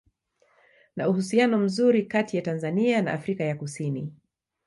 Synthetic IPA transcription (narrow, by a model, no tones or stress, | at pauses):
nauhusianɔm̩zuɾikatijatanzaniana̰ʔafɾikajakusini